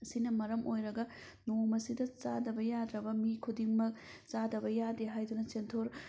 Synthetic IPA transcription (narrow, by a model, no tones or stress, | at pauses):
ɐsinɐmɐɾɐmʔojɾɐɡɐ | nomɐsidɐt͡ʃa̰dɐbɐjad̪ɾɐbɐmikʰudiŋmɐk̚t͡ʃadɐbɐjadeɦajdunɐt͡ʃentʰoɾ